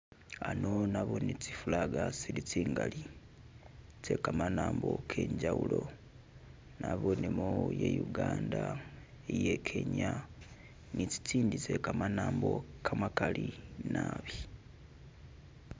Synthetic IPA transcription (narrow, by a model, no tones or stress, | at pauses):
ano̞naβonit͡si̥fulaɡasiɾit͡siːŋɡali | tʰe̞kamanaːmbo̞kʰe̞ɲɟawulo̞ | naβonemojḛjuɡaːnda | ejekʰe̞ɲa | nit͡si̥t͡siːnditekamanaːmbo̞kʰamakalinaβi